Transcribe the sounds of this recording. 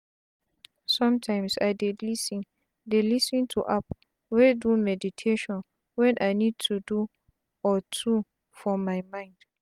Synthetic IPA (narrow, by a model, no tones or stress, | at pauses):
sɔ̃mtʰãɪ̃msaɪdelisĩn | delisĩntʰuʔap | wedumɛditʰeʃɔ̃n | wɛ̃nʔanĩd̚tʰudu | ɔtʰu | fɔmãɪmãɪ̃nd̥